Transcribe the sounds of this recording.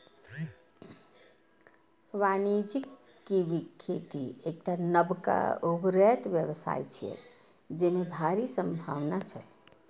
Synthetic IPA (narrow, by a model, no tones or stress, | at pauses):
ʋanid͡ʒikː | ibikʰːet̪iek̚ʈanəbka̰ubɾɛt̪bjəβsa̰jt͡ʃʰiɛ̰ | d͡ʒemebʱaɾisəmbʱaʋnat͡ʃʰə